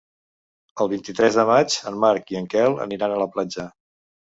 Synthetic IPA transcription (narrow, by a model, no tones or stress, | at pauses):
əlˠβ̞int̪it̪ɾɛzðəmad͡ʒənmaɾkiəŋkɛlˠə̰niɾanələplad͡ʒə